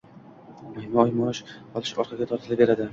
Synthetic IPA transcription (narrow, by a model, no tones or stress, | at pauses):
mahmɒjmɒɪʃqʰɒlˠɪʃɒɾqʰɑɡʲat̪ʰɒɾt̪ʰɪlɪbe̞ɾad̪ɪ